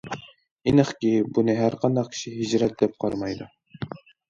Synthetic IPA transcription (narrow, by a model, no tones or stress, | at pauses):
inɨχkʲibunɨɦæɾqʰɑnd̪ɑq̚kʲʰi̥ʃiɦid͡ʒɾɛt̪̚d̪ɛp̚qʰɑɾmɑjd̪u